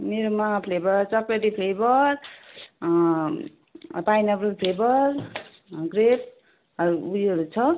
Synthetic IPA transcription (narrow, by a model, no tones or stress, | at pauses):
meɾumapʰlebʌɾt͡sʌpːeʈipʰlebʌɾ | pajnʌbɾupʰlebʌɾ | ɡɾep̚ | ʌɾuujʌɾut͡sʰʌ